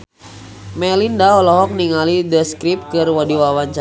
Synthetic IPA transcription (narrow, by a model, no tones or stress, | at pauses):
mɛlindaɔlɔɦɔk̚niŋalidəskɾip̚kɨrwadiwawaɲt͡ʃa